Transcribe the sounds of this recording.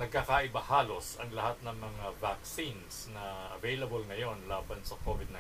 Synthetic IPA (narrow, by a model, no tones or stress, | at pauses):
nɐɡ̚kːaːkaʔɪbɐhaːlo̞sɐŋlɐhat̪̚nɐŋmɐŋavak̚sinsnɐʔɐ̰vejlɐbolŋɐjo̞nlaːbɐnsɐkʰovɪd̪̚na